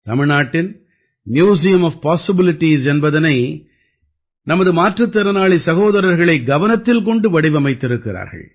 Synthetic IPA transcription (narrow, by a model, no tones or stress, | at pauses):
t̪ɐmɪɻnaːʈːɪn | mjuːs̬ɪjɐmɐfpaːsɪbɪlɪʈːisɛnbɐðɐnɐɪ | nɐmɐðɯmaːʈrɯt̪ːɐɾɐnaːɭisɐɣoːðɐɾɐɾɣɐɭɐɪɡɐʋɐnɐt̪ːɪlkɔɳɖɯʋɐɽɪʋɐmɐɪt̪ːɪɾɯkːɪɾa̰ːɾɣɐ̰ɭ